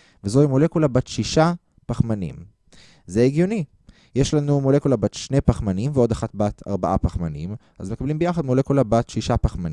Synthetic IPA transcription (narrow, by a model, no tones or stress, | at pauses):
vezo̞imole̞kulabat̪ʃiʃa | paχmanḭm | zeeɡjoni | jeʃlanumole̞kulabat̪ʃne̞paχmanimveo̞daχatbatʰa̰ʁbaʔapaχmanḭm | a̰zmekablimbejaχad̪mole̞kulabatʃiʃapaχmani